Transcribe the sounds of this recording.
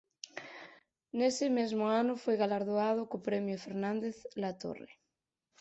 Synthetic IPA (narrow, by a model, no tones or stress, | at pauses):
nesɪmezmoanʊfojɣalaɾðoað̞okopɾɛmjofeɾnãnd̪eθlat̪o̰rḛ